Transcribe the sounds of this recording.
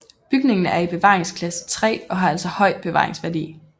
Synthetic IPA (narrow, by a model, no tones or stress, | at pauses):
b̥yɡ̥ne̝ŋn̩æɐib̥e̝ʋɑ̰̈ːʁeŋskʰlæsə̥t͡sʰʁɛ̰ːɒ̽ɦɑ̈æl̰sɒhɒ̽ɪ̰d̥̚b̥e̝ʋɑ̈ːʁe̝ŋsʋæɐd̥ḭː